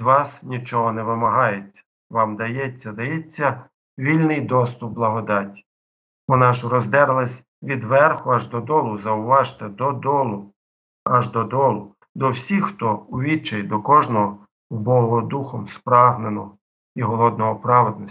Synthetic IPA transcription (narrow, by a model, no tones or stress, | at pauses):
d̪ʋɑsnʲit͡ʃɔɦɔnɛʋɪmɐɦɑjet͡sʲːɐ̥ | ʋɑmd̪ɐjɛt͡sʲːɐd̪ɐjɛt͡sʲːɐ | ʋʲilʲnɪjd̪ɔst̪ʊp̚bːlˠɐɦɔd̪ɑtʲi̥ | ɔnɑʃʊɾɔzd̪ɛɾɪlˠɐsʲ | ʋʲid̪ʋɛrxʊɐʒd̪ɔd̪ɔlˠʊzɐʊʋɑʒt̪ɛd̪ɔd̪ɔlˠʊ | ɐʒd̪ɔd̪ɔlˠʊ | d̪ɔwsʲixxt̪ɔʊʋʲit͡ʃɐjd̪ɔkɔʒnɔɦɔ | ubɔɦɔd̪uxɔmspɾɑɦnenɔɔ | iɦɔlˠɔd̪̚nɔɦɔpɾɑʋed̪nɔsʲ